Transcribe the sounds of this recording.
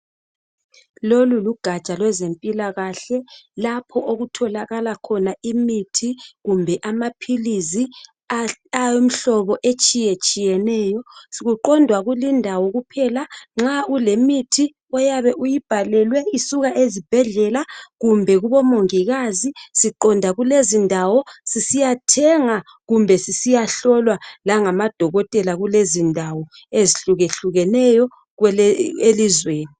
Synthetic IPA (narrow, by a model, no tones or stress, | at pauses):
loluluɡ̥ʱḁt͡ʃʼalwɛzempʼilaɣaɬɛlapʰɔʔoɣutʰɔlaɣalakʰɔnaimitʰiɣumbʱɛʔamapʰilizi | ajom̩ɬɔβɔʔet͡ʃʼijet͡ʃʼijɛnɛːjɔsiɣuǃɔndʱwaɣulindʱawɔɣupʰɛlaŋ͡ǁaʔulemitʰi | ɔjaβɛʔujib̥ʱalɛlwɛisuɣaʔezib̥ʱɛɮɛlaɣumbʱɛɣuβɔmoŋiɣazisiǃɔndʱaɣulezindʱawɔsisijatʰɛŋa | ɣumbʱɛsisijaɬɔlwalaŋamad̥ʱɔɣɔtʼɛlaɣulezindʱawɔ | eziɬuɣeɬuɣɛnɛjɔ | ɣwɛelizweːni